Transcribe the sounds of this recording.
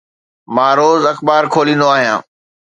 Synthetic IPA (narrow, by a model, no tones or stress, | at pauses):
mãːɾoːzɐxbaːɾkʰoːlĩːnd̪oaːɦijã̰ː